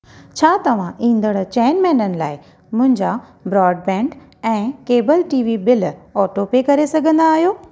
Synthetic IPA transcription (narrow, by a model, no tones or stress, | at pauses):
t͡ɕʰaːt̪ɐʋ̤ãʔĩːn̆d̪əɽt͡ɕɛːnmɛ̃ːnənɪ̆laːɪ | mʊ̃ɦɪ̃ɲd͡ʑa | bɾɔːɖbɛ̃ːɳɖ | ɛ̃ːkeːbəlʈiːʋibɪlɔːʈopekɐɾesɐɡʱə̃nd̪aːɦijoː